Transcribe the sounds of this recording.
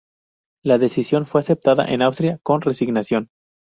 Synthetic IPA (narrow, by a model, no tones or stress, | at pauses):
laðe̞sisjo̞nfwe̞ase̞p̚t̪aða̰ʔe̞nawst̪ɾjako̞nre̞siɣnasjo̞n